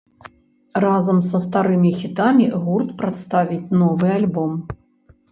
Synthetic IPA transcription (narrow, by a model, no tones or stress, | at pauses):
razɐmsɐst̪aɾɨmʲixʲit̪amʲiɣurt̪pɾat̪st̪avʲit͡sʲnɔvɨalʲbɔm